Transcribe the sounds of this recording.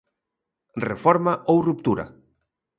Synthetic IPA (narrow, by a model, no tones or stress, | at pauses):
refɔɾmaʔowrup̚t̪uɾɐ̰